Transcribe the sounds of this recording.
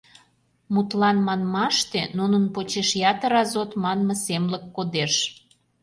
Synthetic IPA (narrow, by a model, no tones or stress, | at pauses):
mut̪lɑnmɑnmɑʃt̪enunənpot͡ɕeʃjɑt̪əɾɑzot̪mɑnməsemləkːod̪eʃ